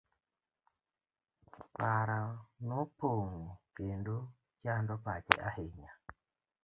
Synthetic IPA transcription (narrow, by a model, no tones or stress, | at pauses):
paɾanopoŋokendo | t͡ʃandopat͡ʃḛʔa̰heɲa